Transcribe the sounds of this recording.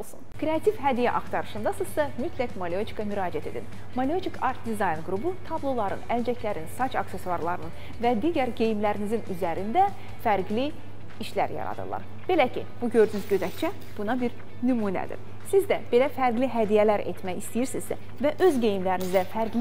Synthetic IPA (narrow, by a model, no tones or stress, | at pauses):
olˠsunkʰɾe̞ɑt̪ʰivɦæd̪ijæʔɑxt̪ɑɾɯʃɯnd̪ɑsɯzd̪ɑmyt̪ʰlækmalʲiot͡ʃʰi̥kʰɑmyɾɑːd͡ʒæt̪ʰe̞d̪ḭn | malʲiot͡ʃʰikʰɑɾt̪̚d̪izɑjnɡɾubut̪ʰɑblˠo̞lˠɑɾɯ̰næld͡ʒæclæɾinsɑt͡ʃɑkse̞suɑɾlˠɑɾɯnɯn | væd̪iɟæɾɟe̞jmlæɾinizinyzæɾind̪æ | fæɾɡli | iʃlæ̰ɾjɑ̰ɾɑ̰d̪ɯ̰lˠɑ̰ɾ | b̥e̞læcʰḭb̥uɟø̞ɾd̪ynyzɟøzæct͡ʃʰæ | b̥unɑbiɾ | nymuːnæ̰d̪ḭɾ̥ | sizd̪æb̥e̞læfæɾɡliɦæd̪ijælæɾe̞̰t̪mæçist̪ijiɾsizd̪æ̰ | væʔøzɟe̞jimlæɾinizd̪æfæɾɡl